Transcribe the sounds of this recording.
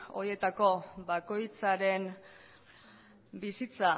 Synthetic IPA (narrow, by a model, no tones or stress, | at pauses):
o̞̰je̞t̪ako̞bako̞jt͡saɾe̞n | bisit͡sa